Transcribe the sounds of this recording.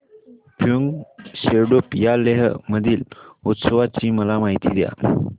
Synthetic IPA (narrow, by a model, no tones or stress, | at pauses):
pʰjuŋɡɕeɾɖupjaleɦəməd̪ʱiːlut̪səʋat͡ɕiːməlamaɦit̪ḭd̪ja̰